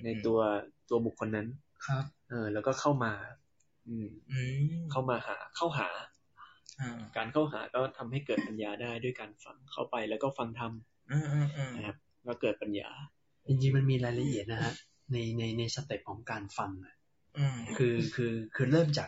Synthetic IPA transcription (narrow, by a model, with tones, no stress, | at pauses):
na˧jt̪u˧ɐt̪u˧ɐbu˨˩kʰːo˧nːa˦˥n | kʰa˦˥p̚ʔɤː˧lɛː˦˥wkɔː˥˩kʰa˥˩wmaː˧ | ʔɯː˧˩m | kʰa˥˩wmaː˧ha̰ː˩˦kʰa˥˩wɦa̰ː˩˦˧ | kaː˧nkʰa˥˩wɦa̰ː˩˦kɔː˥˩t̪ʰa˧mha˥˩jkɤː˨˩t̪̚pa˧njaː˧daː˥˩jdu˥˩əjkaː˧nfa̰˧ŋkʰa˥˩wpa˧jlɛː˦˥wkɔː˥˩fa˧ŋt̪ʰa˧m | ɯː˧˩˧na˦˥kʰa˦˥p̚ | kɔː˥˩kɤː˨˩t̪̚pa˧nja̰ː˧ | t͡ɕi˧ŋt͡ɕi˧ŋma˧nmiː˧ɾaː˧jla˧ʔi˨˩ət̪̚na˦˥hʰa˦˥ʔ | na˧jna˧jna˧jsa˧t̪i˨˩p̚kʰɔː˩˦ŋkaː˧nfa˧ŋʔa˨˩ʔ | ɯː˧kʰɯː˧kʰɯː˧kʰɯː˧ɾɤː˥˩mt͡ɕaː˨˩